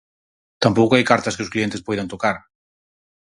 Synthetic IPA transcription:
t̪ampowkoajkaɾt̪ɐskɪʊsklient̪ɪspojðɐnt̪okaɾ

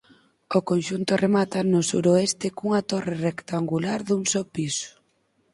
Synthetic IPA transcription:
okonʃunt̪oremat̪anosṵɾoest̪ɪkuŋat̪orerekt̪aŋɡulaɾðuŋsopisʊ̥

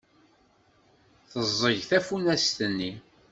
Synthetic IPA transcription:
θəzˤːəʝθæfunæst̪ənːi

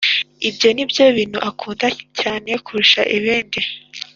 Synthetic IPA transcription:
ibjo̞nibjo̞βiːn̥huʔakʰuːndacaːne̞kʰuɾuʃa̰ʔiβeːndi

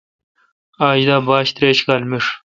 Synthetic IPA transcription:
aːʑd̪aːbaːɕt̪ɾeːɕkaːlmiʂ

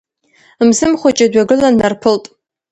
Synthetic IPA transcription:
mzɨmχʷat͡ʃʼadɥaɡɨlanːarpʰɨltʼ

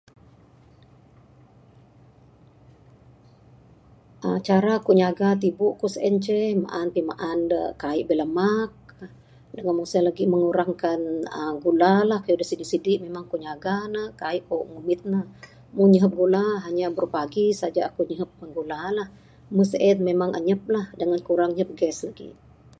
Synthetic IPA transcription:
ʔə̰t͡ʃaɾaːkuɲaɡat̪̬ibuʔkusəʔɛnt͡ʃəhma̰ʔanpima̰ʔandə̰kaiʔbələmak̚ | dəŋanmusəhlaɡiməŋuɾaŋkanəɡulalahkajudəhsidisidiʔmemaŋkuɲaɡanəhkaiʔkuʔmumɪt̪̚nəh | munɲəɦəp̚ɡulaɦaɲabərupaɡisad͡ʒaːkuɲəɦəp̚məŋɡulalah | məsəʔɛn̚memaŋʔə̰ɲəp̚lahdəŋankuɾaŋɲəp̚ɡɛslaɡḭ

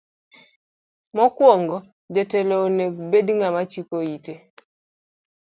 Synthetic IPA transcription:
mɔkwɔŋɡɔ | d͡ʒeteloneɡbedŋamat͡ʃikoite

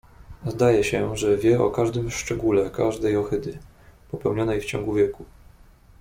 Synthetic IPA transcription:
zd̪ajɛɕɛʐɛvʲjɛɔ̰kaʐd̪ɘmʂt͡ʂɛɡulɛkaʐd̪ɛjɔxɘd̪ɘ | pɔpɛwɲɔnɛjft͡ɕɔ̰ŋɡuvʲjɛku

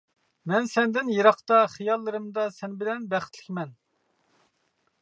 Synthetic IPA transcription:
mɛnsɛnd̪ɪnjeɾɑχt̪ɑχijɑlˠːɨɾɨmd̪ɑsɛnbɪlɛnbæχɪt̪ʰlɪ̥kʲmɛn

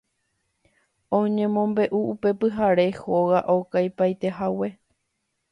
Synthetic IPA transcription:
õɲẽ̞mõ̞mbe̞ʔuupe̞pɨɦaɾe̞hoɣaʔokajpajt̪e̞ɦawe̞

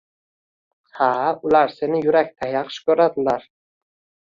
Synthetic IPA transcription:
haʊlaɾse̞nɪjʊɾakʲt̪ʰajɑqʃkʲʰɵɾad̪ɪlaɾ

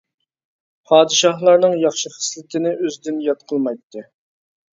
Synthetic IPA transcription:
pʰɑːd̪ɨʃɑɦlˠɑɾnɨŋjɑχʃiχə̥slɪt̪ʰɪnɪʔøzd̪ɪnjɑt̪̚qʰəlˠmɑjt̪ʰːɨ

